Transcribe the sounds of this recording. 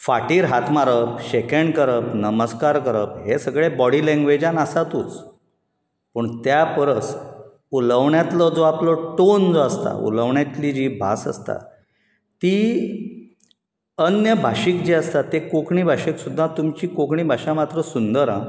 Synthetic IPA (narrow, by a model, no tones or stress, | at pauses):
faʈiːɾɦat̪ʰmaɾəpɕekəɳɖkəɾəpnəməskaɾkəɾəp̚ɦesəɡɭebɔɽiːlɛ̃ŋɡʋed͡ʑanasat̪ut͡s | pəɳt̪japəɾət͡s | uləʋɳjat̪lɔd͡zoaplɔʈond͡zoast̪a̰ṵləʋɳjat̪lid͡ʑiːbʱa̰sə̰st̪a̰ | t̪i | ənjəbʱaɕikd͡ʑiast̪at̪ekokɳiːbʱaɕiksud̪ʱːat̪umt͡ɕiːkokɳiːbʱaɕamat̪ɾəsund̪əɾã